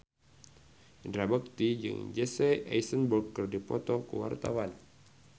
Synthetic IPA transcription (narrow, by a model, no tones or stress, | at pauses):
ndɾabək̚t̪id͡ʒɨ̰ŋd͡ʒɛsɛʔa̰jsənburkːərdipɔt̪ɔkəwa̰rt̪a̰wan